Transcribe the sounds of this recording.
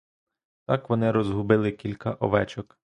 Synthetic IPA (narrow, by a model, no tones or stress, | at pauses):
t̪ɑkʋɔnɪɾɔzɦʊbɪlˠɪkʲilʲkɐʔɔʋɛt͡ʃɔk